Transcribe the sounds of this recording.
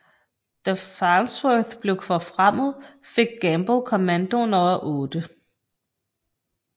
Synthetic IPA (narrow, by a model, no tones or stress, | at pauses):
d̥æfɑnsweθb̥le̝ʊkʰʋɒfʁam̰ð̩ˠfe̝ɡ̥̚ɡ̥æmb̥okʰɒmænd̥o̝nɒɐʔɔ̽ːd̥ə